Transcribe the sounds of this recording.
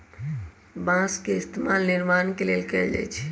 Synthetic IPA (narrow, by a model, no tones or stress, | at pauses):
bãskeɪst̪emalnɪɾmankelelkɛld͡ʒa̰jt͡ʃʰ